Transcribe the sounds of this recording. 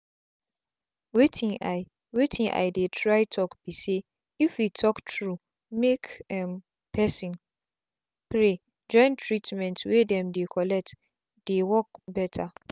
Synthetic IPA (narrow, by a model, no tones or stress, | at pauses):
wetʰĩŋaɪ | wetʰĩʔa̰ɪdetʰɹaɪtʰɔkbise | ifwitʰɔktʰɹu | mekɛm | pʰɛsĩn | pɹe | d͡ʒɔ̃ɪ̃ntʰɹitmɛ̃ntwedɛ̃mdekʰɔlɛk̚t | d̥ewɔk̚bɛtʰa